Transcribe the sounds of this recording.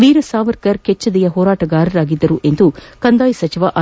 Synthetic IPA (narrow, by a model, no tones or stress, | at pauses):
ʋiːɾɐsaːʋɐɾkɐɾket͡ʃːɐd̪ɛjɐɦɔːɾaːʈɐɡaːɾɐɾaːɡid̪ːɐɾuʔe̞nd̪ukɐnd̪aːjsɐt͡ʃiʋɐʔɐ